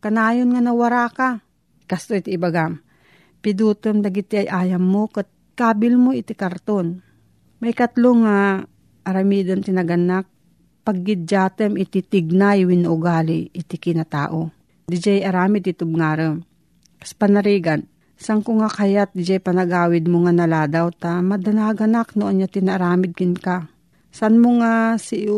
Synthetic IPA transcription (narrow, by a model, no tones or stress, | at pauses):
kanaːjonŋanɐwaɾaka | kast̪oit̪iːbaɡam | pɪd̪uːt̪əmd̪aɡɪt̪iajʔaːjɐmːokət̪̚ | kaːbɪlmoɪt̪ikaɾt̪on | mɐjkɐt̪loŋa | ʔːɾamiːd̪ant̪ɪnɐɡɐnːak̚ | paɡ̚ːɪd̪̚d͡ʒaːt̪əmɪt̪it̪ɪɡ̚najwinːaʔʊɡaːliɪt̪ɪkɪnɐt̪a̰ːʔo | d̪ɪd͡ʒajʔɐɾaːmɪd̪ɪt̪ʊb̚ŋaːɾəm | kḁspɐnɐɾiːɡan | saŋkʊŋakajat̪̚d̪ɪd͡ʒajpɐnɐɡaːwɪd̪̚moŋanɐlaːd̪awt̪amɐd̪ɐnaɡɐnaknoʔonjat̪ɪnaʔaɾaːmɪd̪̚kɪnka | snmoŋasɪ